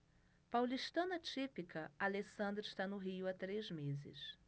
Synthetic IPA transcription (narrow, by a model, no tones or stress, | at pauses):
pawliʃt̪ɐ̃nɐt͡ʃipikʰɐalesɐ̃nd̪ɾɪʃt̪anʊɦiʊat̪ɾezmezɪ̰s